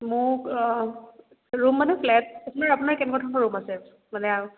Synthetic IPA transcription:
mʊk | ɹumːanɛpʰlɛt̚apʰunaɹapunaɹkɛnɛkɔtʰɔnkɔɹumasɛ | manɛaɹ

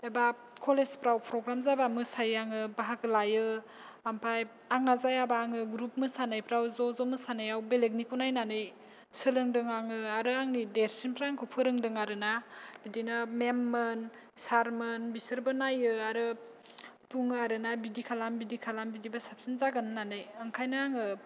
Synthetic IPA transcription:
eba | kʰolespɾawpʰɾɔɡɾamzabamɯsajaŋɯbaɦakɯlajɯ | ampʰaj | aŋnazajabaŋɯɡɾup̚mɯsanajpɾawzɔzɔmɯsanajawbeleɡnikunajnanɯj | sɯlɯŋdɯŋaŋɯaɾɯaŋnideɾsinpʰɾaŋkʰɔpʰɯɾɯŋdɯŋaɾɯnabidinɯmemːɯn | saɾmɯnbisɯɾbɯnajɯaɾɯ | puŋɯaɾɯnabidikʰalambidikʰalambidibasap̚sinzaɡɯnɯnanɯjɯŋkʰajnaaŋɯ

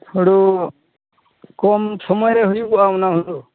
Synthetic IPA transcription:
hɔɽu | kɔmsɔmɔjɾɛɦujupuʔaɔnaɦund̪u

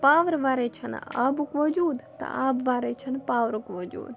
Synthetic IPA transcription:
paʋɾʋaɾɛt͡ʃʰəna̰bukʋɔd͡ʒuːd̪t̪ɐ̰abʋaɾɛt͡ʃʰənpaʋɾukʋɔd͡ʒṵːd̪

